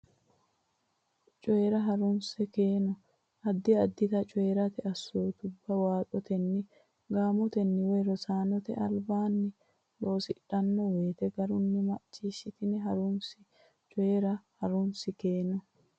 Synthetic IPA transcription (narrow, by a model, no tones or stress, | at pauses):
t͡ʃʼɔɛɾɐɦɐɾʊnsɛkeːnɔ | ʔɐd̪ːɪɐd̪ːɪt̪ɐt͡ʃʼɔɛɾɐt̪ɛɐsɔjt̪ʊbːɐwaːt̪ʼɔt̪ɛnːɪ | ɡaːmɔt̪ɛnːɪwɛɾɔsaːnɔt̪ɛɐlbaːnːɪ | lo̞ːsɪᶑɐnːɔwe̞ːt̪ɛɡɐɾʊnːɪmɐt͡ʃːiːʃɪt̪ɪnɛɦɐɾʊnsɪ | t͡ʃʼɔeɾɐhɐɾʊnsɪkeːnɔ